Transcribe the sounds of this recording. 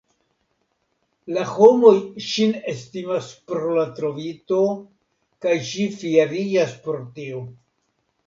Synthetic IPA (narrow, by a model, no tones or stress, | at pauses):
laho̞mo̞jʃine̞stimaspɾolatɾo̞vito̞ | kajʃifieɾid͡ʒaspoɾtio